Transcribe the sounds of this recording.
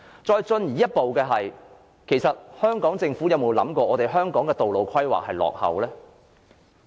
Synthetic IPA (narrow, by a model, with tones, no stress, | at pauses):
t͡sɔː˧jt͡sɵ˧njiː˨˩jɐ˥t̚po˨wkɛː˧ɦɐ˨j | kʰe˨˩jsɐ˨t̚hœː˥ŋkɔː˨˥ŋt͡sɪ˧ŋfuː˨˥jɐ˨˧wmo˨wlɐ̰˨˥mkʷɔː˧ʔɔː˨˧t̪e˨jɦœː˥ŋkɔː˨˥ŋkɛː˧t̪o˨wlo˨˩wkʰɐ˥jwa̰ː˨k̚hɐ˨jlɔ̰ː˨k̚hɐ̰˨wlɛː˥